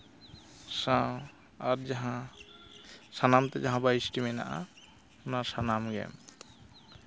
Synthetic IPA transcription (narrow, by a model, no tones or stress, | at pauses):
sa | aɾd͡ʒaɦã | sanamt̪ɛd͡ʒaɦãbajisʈimɛna̰ʔa̰ | ʊnaɾsanamɡɛ̰m